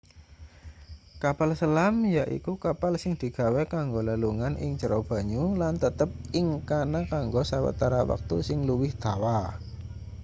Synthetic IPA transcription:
kapalsəlamjaʔḭkukapalsɪŋd̪̥i̤ɡ̥a̤wɛkaŋɡoləluŋanʔɪ̰ŋt͡ʃəɾob̥a̤ɲulant̪ət̪əp̚ɪŋkanakaŋɡosawə̰t̪aɾawa̰k̚t̪ṵsɪŋluwɪhd̪̥a̤wa

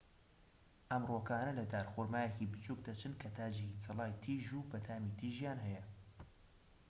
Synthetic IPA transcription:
ʔɐmroːkaːnɐlɐd̪aːɾxoɾmaːjecibɨt͡ʃuk̚d̪ɐt͡ʃʰɨnkʰɐt̪ʰaːd͡ʒeikʰɐlˠaːjt̪ʰiːʒubɐt̪ʰaːmit̪ʰiʒjaːnɦɐjɐ

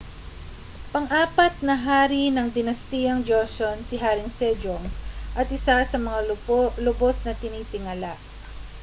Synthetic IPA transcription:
pɐŋʔaːpɐt̪̚nɐɦaːɾinɐŋd̪ɪnɐst̪ijɐŋd͡ʒosonsɪɦaːɾɪŋsɛd͡ʒoŋʔɐt̪ʔɪsasɐmɐŋalʊbosnɐt̪ɪniːt̪ɪŋalaʔ

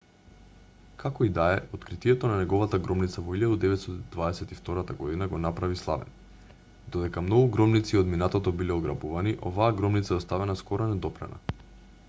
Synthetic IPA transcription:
kʰakɔid̪aɛot̪kɾit̪iɛt̪ɔnanɛɡɔvat̪aɡɾɔmnit̪savɔilʎjad̪ud̪ɛvɛt̪st̪d̪vaɛsɛt̪ift̪ɔɾat̪aɡɔd̪inaɡɔnapɾavislˠa̰vɛ̰n | d̪ɔd̪ɛkamnɔɡuɡɾɔmnit̪siod̪minat̪ot̪ɔbilɛoɡɾa̰buvaniʔɔvaːɡɾɔmnit̪saɛɔst̪avɛnaskɔɾonɛd̪ɔpɾɛ̰na̰

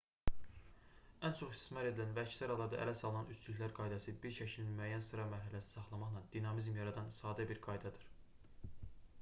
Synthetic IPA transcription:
ænt͡ʃʰo̞χist̪i̥smɑɾe̞d̪ilænvæcʰsɯɾɑlˠɑɾd̪ɑ̰ʔæ̰læsɑlˠɯnɑnyt͡ʃylyçclæɾɡɑjd̪æsibiɾʃæcʰilmyæjːænsɯɾɑmæɾɦælæsni̥sɑχlˠɑmɑχlˠɑnd̪̥inɑmizmjɑɾɑd̪ɑnsɑːd̪æbiɾɡɑjd̪æd̪iɾ̥

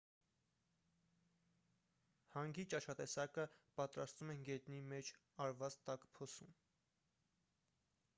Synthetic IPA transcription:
hɑŋɡit͡ʃɑʃɑt̪ɛsɑkəpɑt̪ɾɑst̪vumɛnɡɛt̪nimɛt͡ʃʰ | ɑɾvɑt͡st̪ɑkpʰɔsum

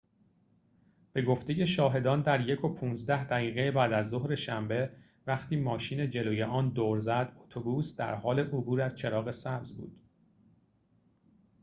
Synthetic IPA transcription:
b̥e̞ɡo̞ft̪e̞je̞ʃɒːɦe̞d̪ɒːnd̪æɾje̞kʰo̞pʰuːnzd̪æhd̪æɣiːɣejebæːd̪æzːohɾe̞ʃæmbe̞ | væxt̪iːmɒːʃiːne̞d͡ʒe̞loːje̞ʔɒːnd̪oːɾzæd̪ot̪ʰobuːsd̪æ̰ɾɦɒːle̞ʔobuːɾæz̥t͡ʃʰe̞ɾɒːɣe̞sæbzbṵːd̪̥

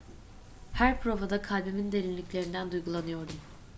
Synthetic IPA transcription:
hæɾpʰɾo̞vad̪akʰalʲbemind̪e̞lʲinlːʲiclʲe̞ɾind̪ænd̪ujɡulˠanɯjo̞ɾd̪um

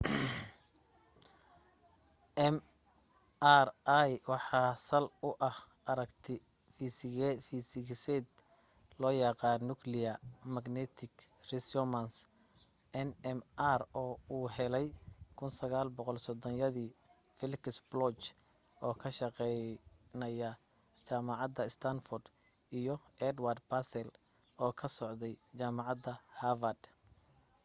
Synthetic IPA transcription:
ɛm | arajwɑħɑːsɐlʊʔɐh | ʔɐɾɐkt̪ʰɪ | ffisɪɡsɛd̪ | lɔːjɑqɑːnːʊkʰlɪjɐmɐɡnɛt̪ʰɪɡ | rɪsɔmɐns | ʔɛnɛmʔarɔːuːɦɛlɛjkʰʊnsɐɣaːlbɔqɔlsɔd̪ɔnjɐðiː | fɪlksblɔt͡ʃ | ʔɔːkʰɐʃɑqɛjnɐjɐ | t͡ʃaːmɑʕɑd̪ɐst̪ʰɐnfɔrd̪ | ijɔɛd̪ward̪basɛl | ɔːkʰɐsɔʕd̪ɛjt͡ʃaːmɑʕɑd̪ɐhavɐd̪

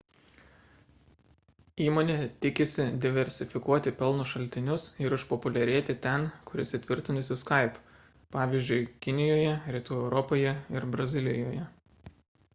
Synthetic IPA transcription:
iːmoːnʲeːt̪ʲɪkʲɪsʲɪd̪ʲɪʋʲɛɾʲsʲɪfʲɪkuɔt̪ʲɪpʲɛlˠnʊʃɐlʲt̪ʲɪnʲʊsɪɾɪʃpɔpʊlʲɛɾʲeɛt̪ʲɪt̪ʲɛnkʊɾʲɪsʲɪt̪ʲʋʲɪɾʲt̪ʲɪnʊsʲɪskɐɪp | pɑːʋʲiːzʲd͡ʒʲʊɪkʲɪnʲɪjoːjɛɾʲɪt̪uːɛʊɾɔpoːjɛɪɾbɾɐzʲɪlʲɪjoːjɛ

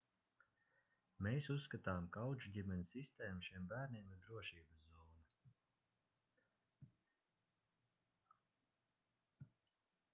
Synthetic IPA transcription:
meːsusːkat̪aːmkawd͡ʒud̪ʲimʲɛnʲisist̪eːmʃiɛmbæːɾniɛmiɾd̪ɾuɔʃiːbɐszɔːna

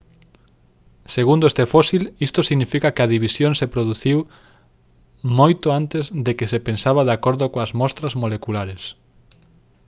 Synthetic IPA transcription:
seɣund̪oest̪efɔsilist̪osiɣnifikakeɐðiβisjoŋsepɾoðuθiw | mojt̪oant̪ezðekesepensaβaðakoɾðokoɐzmɔst̪ɾɐzmolekulaɾes

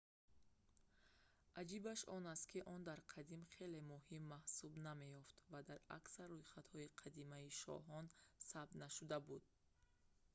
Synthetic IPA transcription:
ʔad͡ʒibaʃɔnast̪̚kʰiʔɔnd̪aɾqʰad̪imχe̞le̞mɔɦimːahsubname̞jɔft̪vad̪aɾaksaɾːujχat̪hɔiqʰad̪imaiʃɔ̰ɦɔnsab̚t̪naʃud̪abud̪̥̚

